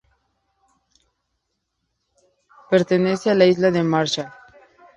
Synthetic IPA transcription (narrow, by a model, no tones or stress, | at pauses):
peɾt̪enesjalaizlaðemaɾt͡ʃa